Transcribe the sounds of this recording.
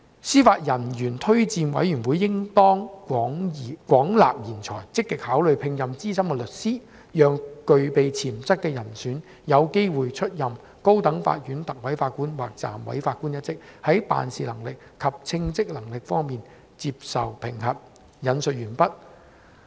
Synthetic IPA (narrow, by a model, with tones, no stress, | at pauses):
siː˥faː˧t̚jɐ˨˩njyː˨˩nt̪ʰɵ˥ɥt͡siː˧nwɐ̰˨˥jɥy˨˩nwuː˨˥jːɪ˥ŋt̪ɔː˥ŋː˨˥ŋ˨kwɔː˨˥ŋla̰ː˨p̚jiː˨˩nt͡sʰɔː˨˩jt͡sɪ˥kːɛ˧k̚haː˨˥wlɵ˨ɥpʰɪ˧ŋjɐ˨mt͡siː˥sɐ˥mkɛː˧lɵ˨t̚siː˥ | jœː˨ŋkɵ˨˧ɥpe˨jt͡sʰiː˨˩mt͡sɐ˥t̚kːɛː˧jɐ˨˩nsyː˨˥n | jɐ˨˧wke˥jwuː˨jt͡ʃʰɵ˥t̚jɐ˨m | ko˥wt̪ɐ˨˥ŋfa̰ː˧t̚jyː˨˥nt̪ɐ˨k̚wɐ˨˥jfaː˧t̚kuː˥nwa̰ː˨k̚t͡sa̰ː˨mwɐ̰˨˥jfaː˧t̚ku˥njɐ˥t̚t͡sɪ˥k̚hɐ˨˥jpa̰ː˨nsiː˨lɐ˨˩ŋlɪ˨k̚kʰːɐ˨p̚t͡sʰɪ˧ŋt͡sɪ˥k̚lɐ˨˩ŋlɪ˨k̚fɔː˥ŋmiː˨n | t͡siː˧p̚sɐ̰˨wpʰɪ˨˩ŋɦɐ˨p̚ | jɐ˨˥nsɵ˨t̚jyː˨˩npɐ˥t̚